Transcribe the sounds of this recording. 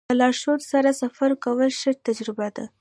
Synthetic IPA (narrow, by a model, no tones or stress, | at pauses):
əlɑɾʃoɾsaɾasafaɾkawəlʃəɾt̪ad͡ʒɾɪbad̪a̰